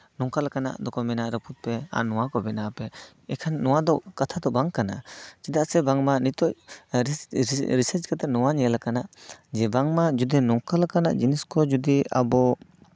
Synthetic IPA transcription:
nɔŋkalakana̰ʔd̪ɔkʰɔmɛnaʔɾəpʰut̪̚pɛa̰nɔwakɔbɛnapɛ | ɛkʰanːɔwad̪ɔkat̪ʰad̪ɔbaŋkana̰d͡ʒid̪asɛbaŋmanit̪ɔʔɾɾisəɾt͡ʃkat̪anɔwaɲɛalakanaʔd͡ʒɛbaŋmad͡ʒud̪inɔŋkalakana̰ʔd͡ʒiniskʰɔd͡ʒud̪ia̰bɔ

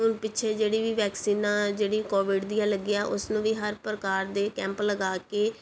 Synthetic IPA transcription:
ʊnpɪt͡ʃʰeːd͡ʒeːɽiːʋiːʋɛːksiːnãːd͡ʒeːɽiːkɔːʋɪɖd̪iːjãːləɡiːaːʔʊsnũːʋiːɦəɾpɾəkaːɾd̪eːkɛ̃ːmpləɡaːkeː

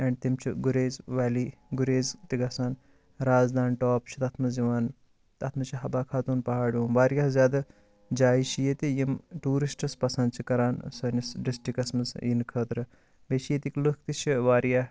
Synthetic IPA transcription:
ɐɳɖt̪imt͡ʃʰiɡuɾeːzʋaːliɡuɾeːzt̪iɡɐsaːn | ɾaːzd̪aːnʈɔːpt͡ʃʰi̥t̪ɐt̪ʰmɐziʋaːn | t̪ɐt̪ʰmɐt͡ʃʰiɦɐbaːkʰaːt̪uːnpɐɦaːɽjũːmʋaːɾjaːhzjaːd̪a | d͡ʒaːiʃijet̪ijimʈuːɾisʈɐspɐsɐnd̪t͡ʃʰikɐɾaːnsɐnɐsɖisʈikɐsmɐsinkʰəːt̪ɾɨ | beːʃijet̪iklukʰt̪it͡ʃʰiʋaːɾjaɦ

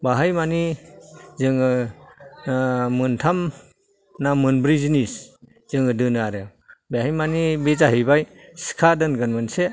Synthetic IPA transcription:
baɦajmani | zɯŋɯ | mɯntʰam | namɯnbɾizinis | zɯŋɯdɯnɯaɾɯ | beɦajmanibezaɦibajsi̥kʰadɯnɡɯnmɯnse

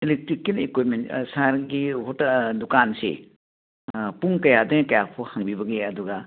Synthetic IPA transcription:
ilek̚tɾikːilekwit̚mensaɾɡihotɐdukansḛ | puŋkɐjadɐjkɐjapʰohaŋbibɐɡeɐduɡɐ

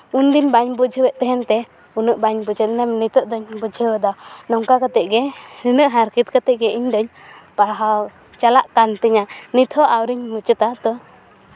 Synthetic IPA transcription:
und̪inbaɲbud͡ʒʱəwɛʔt̪ɛɦɛnt̪ɛ | unəʔbaɲbud͡ʒəd̪nɛmnit̪əʔd̪ɔɲbud͡ʒʱəwɛd̪anɔŋkakat̪ɛʔɡɛɾinəʔɦaɾkit̪̚kat̪ɛʔɡɛiɲd̪ɔɲ | paɦa | t͡ʃalaʔkant̪əɲanit̪ʰɔʔawɾiɲmut͡ʃət̪at̪ɔ

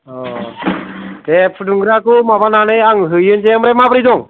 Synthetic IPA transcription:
ɔ | t̪ɛpʰɖuŋɡɾakumabananɯjaŋɦɯjɯnt͡ʃɛmɾɛmapɾid̪ɔŋ

